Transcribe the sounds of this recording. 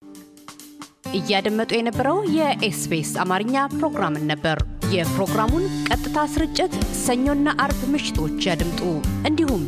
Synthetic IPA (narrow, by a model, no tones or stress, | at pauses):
ʔɨjːad̪əmːət̪ʼujɛnəbːəɾəwjɛʔesbesamaɾɨɲːapɾo̞ɡɾamɨnːəbːəɾjɛpɾo̞ɡɾamunkʼət̪ʼːɨt̪ʰasɨɾɨt͡ʃʼːɪt̪səɲːonːaʔaɾbmɨʃɪ̥t̪ʰo̞t͡ʃːjad̪ɨmt̪ʼuʔɨnd̪ihum